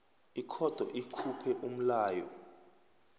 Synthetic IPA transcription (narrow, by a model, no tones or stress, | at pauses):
ikʰɔd̥ʱɔʔikʰupʰɛʔum̩laːjɔ